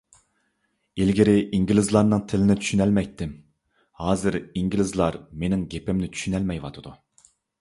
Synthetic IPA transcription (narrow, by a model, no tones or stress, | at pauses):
elɡʲiɾɪʔiŋɡʲilɪzlˠɑɾnɨŋt̪ʰɪlɪnɪt̪ʰy̥ʃynɛlmɛjt̪ʰːɪm | hɑːzɨɾiŋɡʲilɪzlˠɑɾmenɪŋɡʲepɪmnɪt̪ʰy̥ʃynɛlmɛjwɑ̰t̪ʰɨd̪u